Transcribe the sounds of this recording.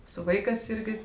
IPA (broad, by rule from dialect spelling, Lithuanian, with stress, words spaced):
sʊ ˈʋɐɪkɜs ˈɪrʲɡʲɪ